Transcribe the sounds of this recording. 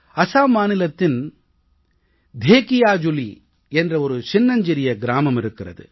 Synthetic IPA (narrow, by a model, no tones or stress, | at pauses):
ɐsaːmaːnɪlɐt̪ːɪn | d̪ʱeːkɪjaːd͡ʒʊlḭ | ɛndrɐɔɾɯt͡ʃɪnːɐɲd͡ʒɪɾɪjɐɡɪɾaːmɐmɪɾɯkːɪrɐ̰ðɯ̰